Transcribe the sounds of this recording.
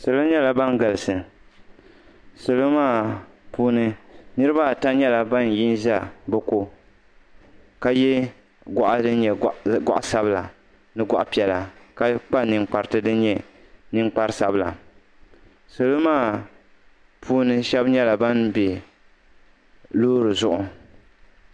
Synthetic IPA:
so˨lo˦ɲɛ˦la˨ba˦n˦ɡa˨lɨ˨sɨ˨ | so˨lo˦maː˦˨ | puː˦nɨ˦nɨ˦ɾɨ˦ba˦˨ta˦ɲɛ˦la˨ba˦n˨ji˦nza˦bɨ˨ko˦ | ka˦jɛ˦ | ɡɔ˨ʔa˦dɨ˦n˦ɲɛ˨ɡɔ̰˦ʔa˨˦sa˦bla̰˨ | nɨ˦ɡɔ˦ʔa˨pi˨ɛ˨la˨ka˦k͡pa˦nɨ˨ŋ͡mk͡pa˨ɾɨ˨tɨ˦dɨ˦n˦ɲɛ˨ | nɨ˦ŋ͡mk͡pa˦ɾɨ˦sa˦bla̰˨ | so˨lo˦maː˦˨ | pʰuː˦nɨ˦ʃɛ˦bɲɛ˦la˨ba˦nbe˨ | loː˦ɾɨ˨zʊ˨ʔʊ˨

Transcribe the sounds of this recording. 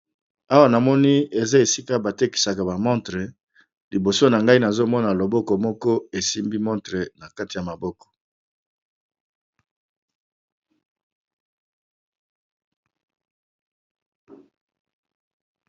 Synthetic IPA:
a˦wa˦na˨mɔ˦ni˦e˨za˦e˨si˦ka˦ba˨te˦ki̥˨sa˨ka˨ba˨mɔ̃˦ntʁe˨ | li˨bo˨so˦na˨ŋɡa˦i˦na˨zo˦mɔ˦na˨lo˨bɔ˦kɔ˨mɔ˦kɔ˦e˨si˦mbi˦mɔ̃˦ntʁe˨na˨ka˦ti˨ja˨ma˨bɔ˦kɔ̥˨

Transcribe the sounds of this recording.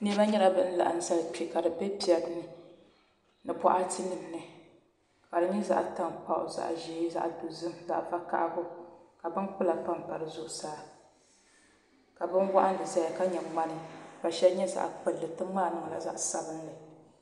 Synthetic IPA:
nɛ˦ba˦ɲɛ˦la˦bɨ˦n̩˦la̰˨ʔn̩˦sa˦lpi˨ka˨dɨ˨bɛ˦pi˨ɛ˨bnɨ˦ | nɨ˨pɔ˦ʔa˦tʰi˦nɨ˨m˨nɨ˨ | ka˨dɨ˨ɲɛ˦za̰˦ʔta˨mpa̰˨ʔʊ̰˨za̰˨ʔʒiː˦za̰˦ʔdu˨zɨ˦mza̰˨ʔfa˦ka̰˦ʔɡʊ˦ka˨bɨ˦nk͡pɨ˦la˨pa˦mpa˨ɾɨ˨zʊ˦ʔʊ˨saː˦ | ka˨bɨ˦nwa˦ʔa˦n˦˨dɨ˨sa˦ja˨ka˦ɲɛ˨ma˦nɨ˦˨ka˨ʃɛ˦ɲɛ˦za̰˨ʔk͡pɨ˨lːɨ˨tɨ˦mmaː˦˨nɨ˦ŋ˨la̰˨za̰˦ʔsa˨bɨ˦n˦lɨ˨

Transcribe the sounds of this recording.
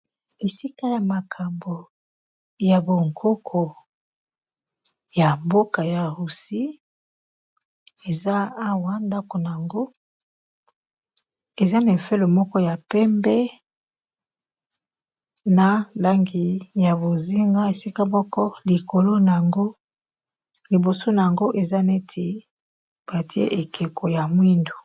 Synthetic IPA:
e˨si˦ka˦ja˨ma˨kʰa˨mbo˨ | ja˨bo˨ŋkʰo˦kʰo˨ | ja˨mbo˦ka˨ja˨ʁu˨si˦ | e˨zaː˦wa˦nda˦ko˨na˨ja˨ŋɡo˦ | e˨za˦na˨e˨fe˦lo˨mɔ˦kɔ˦ja˨pɛ˦mbɛ˦ | na˨la˦ŋɡi˨ja˨bo˨zi˦ŋɡa˦e˨si˦ka˦mɔ˦kɔ˦li˨ko˨lo˦na˨ja˨ŋɡo˦ | li˨bo˨so˦na˨ja˨ŋɡo˦ʔe˨za˦ne˦tʰe˨ | b̥a˨ti˦ḛ˦ʔe˨kʰe˨kʰo˨ja˨mwi˦ndo˨

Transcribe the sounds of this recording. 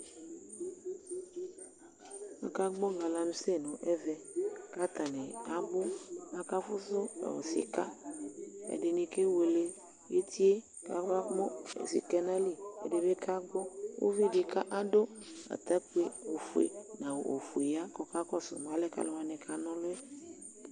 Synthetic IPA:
a̰˨ka˦ɡ͡bɔ˦ŋɡa˨la˨nũ˦se˦˨nɔ̃˨ʔɛ˦vɛ˨ka˦t̪a˨ne˨a˨bʊ˦a˨˦ka˦fʊ˦zʊ˦a̰˨wo̰˨sḭ˨ka˦ | ḛ˨dɪ˨nĩ˨ke˦we˨le˦ | je˦t̪i˦e˦ | ka̰˨ɡ͡ba˦mɔ˦ḛ˨sḭ˨kɛ˦nã˦li˦˨ḛ˨de˨βe˦ka˦ɡ͡bɔ˦wo̰˦vi˦ɖi˨ka˦ʔa˦do˦a̰˨t̪a˦k͡pu˦e˦˨o˨fu˨ḛ˨nã˨wo˨ʔo˨fu˨e˨ja˦kɔ˦ka˦kɔ˦sʊ̰˨m˨ã˨˦lɛ˦ka̰˦lo˦wa˨nɛ˨kʰa˦nɔ̃˦lʊ˦e˦

